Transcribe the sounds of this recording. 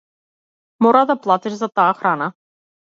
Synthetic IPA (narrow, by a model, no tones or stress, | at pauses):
mɔɾad̪aplˠat̪ɛʒzat̪aːxɾana